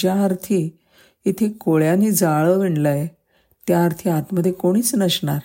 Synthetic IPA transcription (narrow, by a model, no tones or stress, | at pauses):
d͡ʑjaːɾt̪ʰi | it̪ʰekoɭjaniːd͡zaɭəʋiɳləje | t̪jaːɾt̪ʰiːat̪məd̪ʱjekoɽ̃iːt͡snəɕɳa̰ɾ